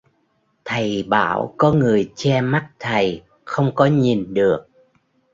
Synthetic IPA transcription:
t̪ʰə˨˩jɓa̰ː˧˩wkɔ˨˦ŋɨ˨˩əjt͡ɕɛ˧ma˦˥t̚t̪ʰə˨˩j | xə˧wŋ͡mkɔ˨˦ɲi˨˩nɗɨ˨˩ək̚

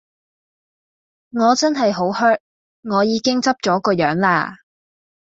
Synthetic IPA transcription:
ŋɔː˨˧t͡sɐ˥nɦɐ˨jɦo˨˥whœː˥t̚ | ŋɔː˨˧jiː˨˧kɪ˥ŋt͡sɐ˥p̚t͡ʃɔː˨˥kɔː˧jœː˨˥ŋlaː˧

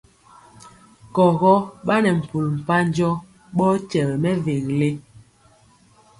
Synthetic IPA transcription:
kɔ˨ɣɔ˦ɓa˦nɛ˨m̩˨pu˨lm̩˨pa˦n˦d͡ʒɔ˦ | ɓɔ˦t͡ʃɛ˨lmɛ˦ve˨ŋle˦

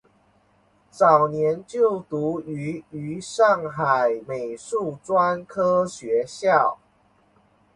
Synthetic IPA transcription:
t͡sɑ˨˩ʊnjɛ˨˦nt͡ɕjo˥˨ʊt̪u˨˦y˨˧˥y˨˧˥ʂɑ˥˨ŋxa˨˩ɪme˨˩ɪʂu˥˩t͡swa˥nkʰɤ˥ɕɥɛ˨˧˦ɕjɑ˥˨ʊ

